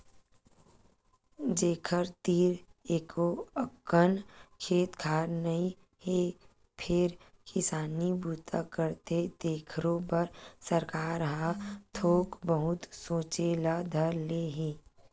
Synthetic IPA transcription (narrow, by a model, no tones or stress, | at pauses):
d͡ʒeːkʰəɾt̪iːɾeːkoəkːənkʰeːt̪kʰaːɾnəi | he | pʰɪɾ | kɪsaːnibuːt̪ʰakəɾt̪et̪eːkʰɾõpəɾsəɾkaːɾɦãt̪ʰoːkbəɦʊt̪soːt͡ʃelad̪ʱəɾleɦiː